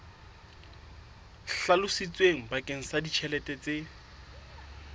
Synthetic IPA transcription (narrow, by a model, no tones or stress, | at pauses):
ɬalʊsit͡sʼweŋ̩bakʼeŋ̩sadit͡ʃʰɛlɛtʼɛt͡sʼe